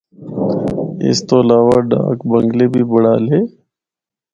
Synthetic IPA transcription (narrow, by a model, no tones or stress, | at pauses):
ɪ̰st̪oːəlaːʋaɖa̰ːkbə̃ŋɡleːbʱiːbəɽaːleː